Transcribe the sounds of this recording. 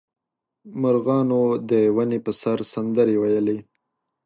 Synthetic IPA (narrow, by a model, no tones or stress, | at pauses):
maɾɣɑnod̪əwanepəsaɾsand̪əɾewajəle